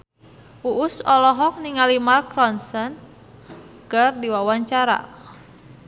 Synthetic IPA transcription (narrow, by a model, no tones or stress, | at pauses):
uʔʊsɔlɔɦɔk̚niŋalimarkrɔnsən | kərdiwawaɲt͡ʃaɾa̰